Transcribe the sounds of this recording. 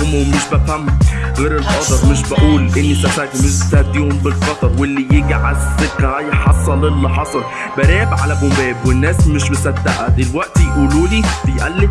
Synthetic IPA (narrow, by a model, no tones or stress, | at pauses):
omwmeʃbæfæmːɣeːɾelʔɑd̪ˤɑɾˤmeʃ̬bæʔuːlʔenːisæfækmeʃbsæd̪ːiːhombelfɑt̪ɑɾˤwelːijeɡʕasːeqːæjħɑsˤːɑlelːiħɑsˤɑl | bæɾæːbʕalæɡombæːbwenːæːsmeʃbesæd̪ːæʔæd̪elwæʔt̪jʔuːluːlibejʔælːe